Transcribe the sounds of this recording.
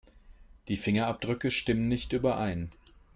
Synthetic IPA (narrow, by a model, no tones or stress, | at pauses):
d̥iːfɪŋɐap̚d̥ʁʏkəʃtɪmənnːɪçtʔyːbɐʔaɪn